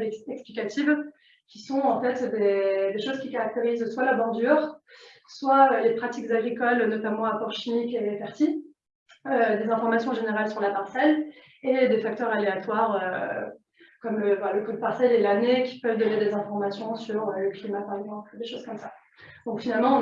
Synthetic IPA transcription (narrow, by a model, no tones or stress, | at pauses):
ɛksplikat̪ʰiv | kʲisɔ̃ɑ̃fɛt̪d̪ed̪eʃozkʲikaʁak̚t̪eʁizswalabɑ̃d̪yʁ | swaølepχat̪ikzaɡʁikɔlnɔt̪amɑ̃apɔʁʃimikelefɛʁsi | ød̪ezɛ̃fɔʁmasjɔ̃ʒeneʁalsyʁlapaʁsɛl | ed̪efak̚t̪œʁaleat̪waʁø | kɔmøvalaləkɔd̪̚paʁsɛlelanekʲi̥pœvd̪ɔned̪ezɛ̃fɔʁmasjɔ̃syʁøləklimapaʁɛɡzɑ̃pld̪eʃoz̥kɔmsa | d̪̥ɔ̃kfinalmɑ̃ɔ̃